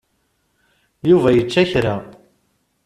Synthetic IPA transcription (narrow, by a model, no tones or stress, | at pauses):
juvæjət͡ʃːæçɾa